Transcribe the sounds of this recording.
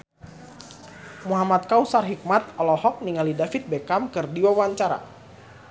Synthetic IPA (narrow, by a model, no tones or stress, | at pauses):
muɦamat̪̚kausarɦik̚mat̪̚ɔlɔhɔk̚niŋalidafit̪̚bekamkɨrdiwawaɲt͡ʃaɾa̰